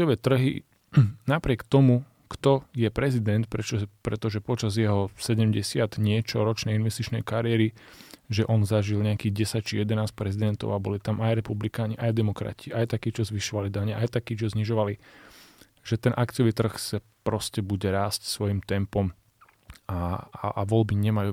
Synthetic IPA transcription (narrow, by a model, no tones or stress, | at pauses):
ɪɔʋɛːt̪r̩ɦḭ | napɾɪɛkt̪ɔmu | kt̪ɔjɛpɾɛzid̪ɛnt̪̚pɾɛt͡ʃpɾɛt̪ɔʒɛpɔt͡ʃazjɛɦɔsɛɟɛmɟɛsɪad̪ɲɪɛt͡ʃɔɾɔt͡ʃnɛjinʋɛst̪it͡ʃnɛjkaɾɪɛɾiʒɛʔɔnzaʒilɲɛakiːɣɟɛsac̚t͡ʃijɛd̪ɛnaːsc̚pɾɛzid̪ɛnt̪ɔ̰ʊabɔlit̪amajɾɛpublikaːɲiʔajd̪ɛmɔkɾa̰cʰiʔajt̪akiːt͡ʃɔzʋiʃɔʋalid̪aɲɛʔajt̪akiːt͡ʃɔzɲiʒɔʋali | ʒɛt̪ɛnʔakt͡sɪjɔʋiːt̪r̩xsa | pɾɔscɛbuɟɛɾaːscsʋɔjimt̪ɛmpɔm | aaaʋɔlbiɲɛmajuː